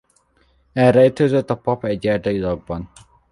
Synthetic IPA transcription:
ɛrɾɛit̪øzøt̪ːɒpɒpɛɟːɛrd̪ɒilɒɡ̚bɒn

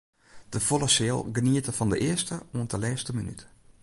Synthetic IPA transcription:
d̥əfolˠasɪəlˠɡəniətəfɔndəʔɪəstəuəntəlɛːstəminyt

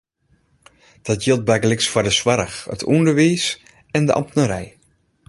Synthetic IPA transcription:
d̥ɔtjilˠt̚bɛɡlɪksfwɔdəswaɾəxə̰tʰundərʋiːs | ɛndəʔɑ̰mtnəɾɛj

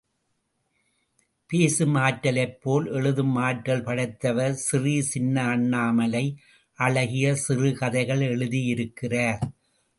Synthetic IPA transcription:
peːsɯmaːʈːɐlɐɪpːoːlʔɛɻɯðɯmaːʈːɐlpɐɽɐɪt̪ːɐʋɐɾsɪrisɪnːɐːɳːaːmɐlɐɪ | ʔɐɭɐɣɪjɐsɪrɯkɐðɐɪɣɐɭɛɭɯðijɪɾɯkːɪrɐːɾ

